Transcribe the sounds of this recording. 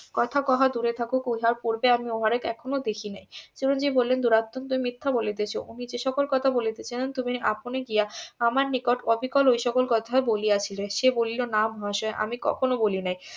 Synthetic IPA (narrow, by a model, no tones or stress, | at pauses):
kɔt̪ʰakɔɦad̪uɾet̪ʰakukuɦaɾpoɾbeamioɦaɾekɛkʰonod̪ekʰinajsiɾond͡ʑibolːend̪uɾat̪ːont̪umimit̪ʰːabolet̪̬et͡ɕʰoʔunid͡ʑeʃɔkolkɔt̪ʰabolet̪et͡ɕʰilent̪umiʔa̰poneɡijaamaɾnikoʈɔbʱikɔlojʃɔkolkɔt̪ʰaeboliat͡ɕʰileʃebolilonamɔɦaʃɔeʔa̰mikɔ̰kʰonobolinaj